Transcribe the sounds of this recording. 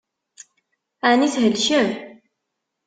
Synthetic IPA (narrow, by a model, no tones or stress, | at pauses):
æniθɦəlʃə